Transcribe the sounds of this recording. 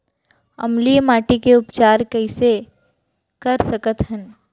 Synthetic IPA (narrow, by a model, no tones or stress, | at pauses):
ɐ̰mlijmaːʈikeʊpt͡ʃaːɾkɐɪse | kɐɾsɐkət̪ɦən